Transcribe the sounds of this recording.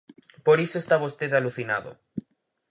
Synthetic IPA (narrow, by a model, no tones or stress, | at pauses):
poɾisoest̪aβost̪eðaluθina̰ðo̰